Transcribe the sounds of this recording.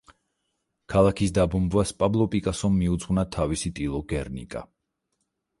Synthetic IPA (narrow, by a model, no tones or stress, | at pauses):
kʰalˠakʰisd̪abɔmbvaspʼablˠɔpʼikʼasɔmːiud̪zʼʁwvnat̪ʰavisit̪ʼilˠɔɡɛɾnḭkʼa̰